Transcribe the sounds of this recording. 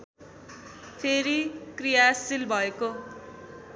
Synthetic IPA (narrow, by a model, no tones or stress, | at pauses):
pʰeɾikrijasilbʱʌeko